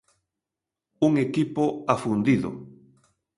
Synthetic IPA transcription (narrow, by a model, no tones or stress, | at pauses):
uŋekipoafund̪iðo̰